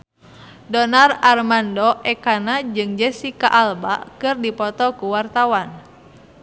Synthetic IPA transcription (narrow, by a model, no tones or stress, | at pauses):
dɔnararmandɔʔɛkanad͡ʒɨŋd͡ʒɛsika̰ʔalba̰kɨrdipɔt̪ɔkuwart̪awan